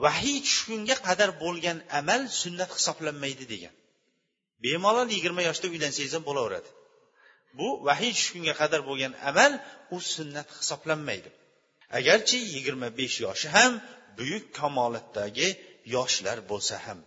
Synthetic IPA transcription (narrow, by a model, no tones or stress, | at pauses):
waɦɪjt͡ʃʰʊ̥ʃkʊŋɡʲaqʰɑd̪aɾbolˠɡʲanamalsʊnːat̪hɪ̥sɒblanmajd̪ɪd̪eɡʲa̰n | bemɒlˠɒljɪɡʲɪɾmajɒʃd̪aʊjlansejzambolaʊɾa̰d̪ɪ̥ | bʊvaɦɪjt͡ʃʰʊ̥ʃkʲʊŋɡʲaqʰɑd̪aɾbolˠɡʲana̰malʊsʊnːat̪hɪ̥sɒblanmajd̪ɪ | a̰ɡʲaɾt͡ʃʰɪjɪɡʲɪɾmabe̞ʃjɒʃɪɦambʊjʊkʲkʰːamɒːlat̪ʰːaɡʲɪjɒʃlaɾbolˠsaham